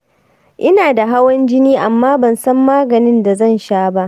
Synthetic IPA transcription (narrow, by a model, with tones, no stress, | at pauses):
ʔɪ˦naː˨da˨ɦa˦wɐ˦nd͡ʒɪ˦niː˦ʔa˨mːaː˦bɐ˨nsɐ˦mːaː˦ɡɐ˨nɪ˦nda˨zɐ˦˨nʃaː˦ba˦ʔ